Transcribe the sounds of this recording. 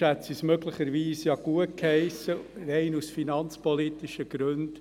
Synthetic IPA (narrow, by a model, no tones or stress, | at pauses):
ætt͡sismøɡlɪχəɾʋiːsjɑɡ̥uət̚khɛɪsərɛɪnusfinɑnt͡spɔlit̪iʃəɡ̥ɾʉnd̥